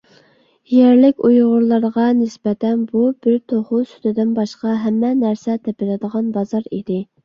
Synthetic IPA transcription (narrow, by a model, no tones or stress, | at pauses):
jɛɾlɪkʲujʁʊɾlˠɑɾʁɑnɪsbɛt̪ʰɛnbubɪɾt̪ʰoχusy̥t̪ɪd̪ɪnbɑʃqɑɦɛmːɛnæɾsɛt̪ʰɛpɪlɪd̪əʁɑnbɑzɑɾid̪ɪ